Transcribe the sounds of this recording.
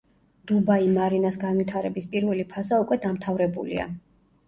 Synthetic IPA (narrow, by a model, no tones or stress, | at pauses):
d̪̥ubaimaɾinasɡanvit̪ʰaɾɛbispʼiɾvɛlipʰazaukʼwɛd̪amt̪ʰavɾɛbṵlḭa̰